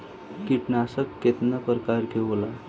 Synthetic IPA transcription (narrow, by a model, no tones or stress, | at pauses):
kiʈnasəkːet̪nəpəɾkaɾkeʋla